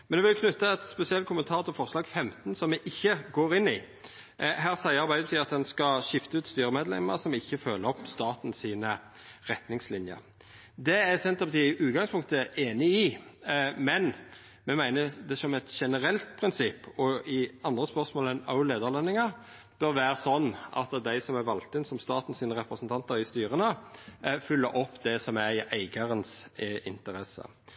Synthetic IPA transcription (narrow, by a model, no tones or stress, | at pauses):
mmɛnɛʋɪlʊkʰnʉt̪ːəɛt̪spɛsɪɛlt̪kʊmənt̪ʰɑːʁt̪ʰɪlfɔʁslɑːɡfɛmt̪nsɔmːɛʔɪçːəɡoːɾɪnːɪ | ɦæːʁsæɪəɑʁbæɪd̪ət̪ʰɪlɑt̪̚d̪ɛnskɑʃɪft̪əʉːt̪st̪yːɾəmeːd̪lɛ̰mə̰ʁsɔmɪçːəføːləɔpst̪ɑːt̪n̩siːnə | ʁɛt̪nɪŋslɪnjə̰ɾ | d̪ɛæsɛnt̪ɑpt̪ɪʔʉːt̪̚ɡɑŋspʰʊŋkt̪əʔeːnɪɪ | mɛn | mɛmæɪnəd̪ɛsɔmɛt̪ʃɛnəɾɛlt̪pʰɾɪnsɪpːɔɪɑnd̪ʁəspœʁsmoːlɛnə̰ʊleːd̪əʁlɛnːɪŋɑ | b̥œɾʋæːɾəsɔnːʔɑ̰t̪d̪æɪsɔmæʋɑlt̪ɪnsɔmst̪ɑːt̪n̩siːnəɾɛpɾəsnt̪ʰɑnt̪əɾɪst̪yːɾənə | fʏlːəɾʔɔpːd̪ɛsɔmæɾɪʔæɪɡɑɾənsɪ̰nt̪əɾɛsə̰